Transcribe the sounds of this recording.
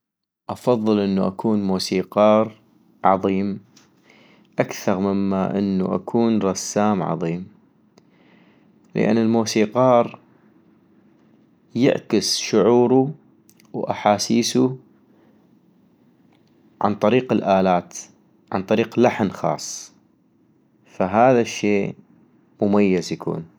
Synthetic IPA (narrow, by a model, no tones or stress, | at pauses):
ʔɑfɑðˤːɨlʔənːuʔakʰuːnmuːsiːqɑːɾˤ | ʕɑðˤiːm | ʔakθɑɾˤmɪmːaʔɪnːṵʔa̰kʰuːnɾˤɑsːaːmʕɑ̰ðˤiːm | lə̰ʔa̰nːɪlmuːsiːqɑːɾˤ | jɪ̰ʕkɪsʃʊʕuːɾu | wʔa̰ħaːsiːsu | ʕa̰nt̪ˤɑɾiːqɪlʔaːlaːt̪ | ʕa̰nt̪ˤɑɾiːqlaħnxɑ̰ːsˤː | faɦaːðaʃːeː | mʊmajːazjakʰṵːn